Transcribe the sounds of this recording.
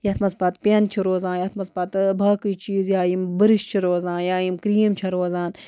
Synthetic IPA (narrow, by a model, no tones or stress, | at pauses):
jɐt̪ʰmɐspɐt̪pʲent͡ʃʰiɾoːzaːnjɐt̪ʰmɐspɐt̪bʱɐːkɨt͡ʃiːzjaːjimbɨɾɨʃt͡ʃʰiɾoːzãːnjaːjimkɾiːmt͡ʃʰɐɾoːzaːn